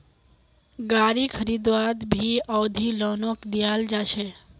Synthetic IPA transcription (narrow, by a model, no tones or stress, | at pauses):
ɡaːɾikʰəɾid̪ʋaːd̪bʱiɔːd̪ʱilɔːnokd̪ijaːld͡ʒaːʃʰe